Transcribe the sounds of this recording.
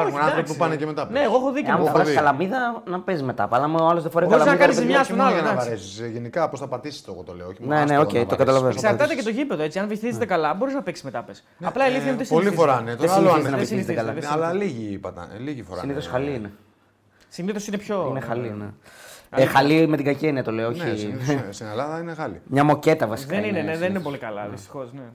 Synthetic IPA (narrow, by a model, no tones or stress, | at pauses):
ɾonɐɾopipupɐnecemet̪ɐpneːɣoexoðiɐskɐlɐmiðɐnɐpesme̞t̪ɐ̰pɐlɐmoɐlo̞zðefoɾeoɾɐlɐmznɐiðkɐnizemɲɐst̪onalɐnɐvɐɾesisʝenikɐposθɐpɐt̪isi̥st̪oɣot̪o̰leoçimnene̞o̞ceiokɐt̪ɐlɐvessɐɾt̪ɐt̪ecet̪o̞ʝipeðoet͡siɐnveθizet̪ekɐlɐbo̞ɾiznɐpeksi̥zmet̪ɐpes | ɐplɐeliθiɐut̪espolifoɾanet̪oesszenɐoisiiet̪kɐlɐslɐliʝiipɐt̪ɐ̰liʝifoɾɐsiniθosxɐliine | siniθo̞sinepçoinexɐlineexɐlimet̪iɡɐceniɐt̪o̞leooçinesinelɐðɐinexɐlḭmɲɐmo̞ce̞t̪ɐvɐsi̥kðkenineneðeninepolikɐlɐ̰ðist̪i̥xo̞sne